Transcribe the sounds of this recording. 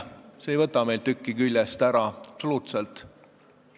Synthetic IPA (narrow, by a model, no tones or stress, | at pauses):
se̞jvɤt̪ːˑɑme̞jlt̪ykːikylʲjest̪æɾɑɑpsoluːt̪selt̪ˑ